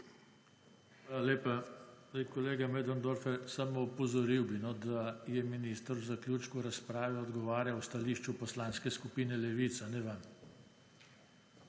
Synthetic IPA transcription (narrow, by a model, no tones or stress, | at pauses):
xʋaːlaleːpaekɔleːɡamɛd̪ɔnd̪oɾfɛsamoupɔzɔɾiwbinɔd̪ajɛminiːst̪əɾwzaklʲjuːt͡ʃkuɾaspɾaːʋɛɔd̪ɡɔʋaːɾjawst̪aliːʃt͡ʃupɔslaːnskɛskupiːnɛlɛʋit̪sanɛʋam